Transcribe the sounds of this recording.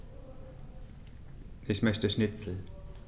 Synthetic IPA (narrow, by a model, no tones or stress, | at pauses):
ʔɪçmœçtəʃnɪt͡sl̩